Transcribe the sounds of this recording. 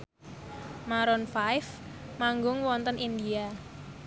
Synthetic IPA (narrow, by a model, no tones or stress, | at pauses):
maɾɔnfajf | maŋɡʊŋwɔnt̪ənʔind̪ia